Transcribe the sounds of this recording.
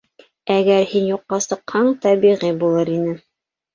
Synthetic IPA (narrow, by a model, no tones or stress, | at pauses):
æɡæɾhinjuqːɑsɤ̆qhɑɴt̪æbiʁibulˠɤɾinɘ